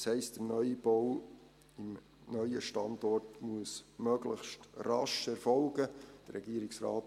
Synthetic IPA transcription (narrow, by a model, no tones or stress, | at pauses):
shɛɪstd̥ənœʏib̥ɔw | ɪm | nœʏəʃtɑndɔrtmuəsmœɡləχʃtrɑʃɛɾfɔlɡəd̥əɾɾɛɡiːəɾɪksɾa̰ːt